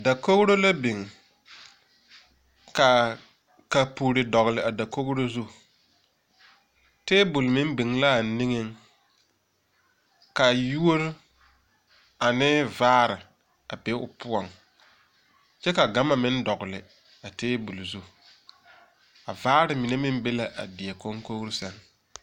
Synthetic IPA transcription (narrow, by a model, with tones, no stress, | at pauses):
da˨ko˦ɣɾo˦la˦bi˨ŋ˨ | ka˨ | ka˨pu˨ɾɪ˨dɔ˨ɣʊ˨lɪ˨a˨da˨ko˦ɣɾo˦zu˦ | teː˦bʊ˨lmɪ˦bi˨ŋla˦˨nɪ˦ŋɪ˦ŋ | ka˨ju˦o˦ɾ | a˨nɪ˦vaː˦ɾɪ˨ | a˨be˦ʊ̰˨pʰʊ˦ɔ˨ŋ | t͡ʃɛ˦ka˨ɡa˦ma˨mɪ˦n˦dɔ˨ɣʊ˨lɪ˨ | a˨teː˦bu˨lzu˦ | a˨vaː˦ɾɪ˨mi˨ne˦mɪ˦m˦be˦la˨ʔa̰˨dɪ˨ɛ˨ko˦ŋko˦ɣɾɪ˦sa˦ŋ